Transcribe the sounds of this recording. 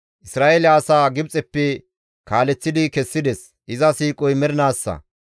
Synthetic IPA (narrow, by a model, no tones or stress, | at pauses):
ʔɪsɾaːʔelɪaːsaːɡɪbt͡sʼɛpːɛ | kaːlɛt͡sːɪd̪ɪkɛsːɪd̪ɛs | ʔɪzɐsiːkʼɔjmɛɾɪnaːsːɐ̰